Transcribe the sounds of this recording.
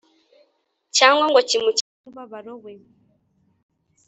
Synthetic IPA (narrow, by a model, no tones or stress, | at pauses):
t͡ʃaŋɡwɔŋɡɔt͡ʃimut͡ʃ | uβaβaɾɔɣwɛ